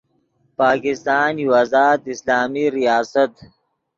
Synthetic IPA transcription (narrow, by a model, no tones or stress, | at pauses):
paːkɪst̪aːniwazaːt̪islaːmiɾijaːsɐt̪